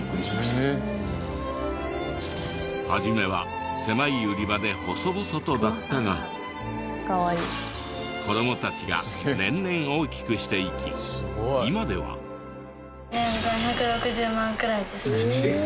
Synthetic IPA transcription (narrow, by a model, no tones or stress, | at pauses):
kɯɾʲias | haʑime̞βa | se̞maiɯɾʲibad̪e̞ho̞so̞boso̞t̪o̞d̪at̪ːaɡa | kaβaiː | ko̞d̪o̞mo̞t̪at͡ɕiɡa̰nẽ̞nːẽ̞ɰ̃o̞ːkʲi̥kɯ̟ɕi̥t̪e̞ikʲḭ | imad̪e̞βa̰ | neɡõçakɯ̟ɾo̞kɯ̟ʑɨːmãŋkɯ̟ɾaid̪e̞sɨne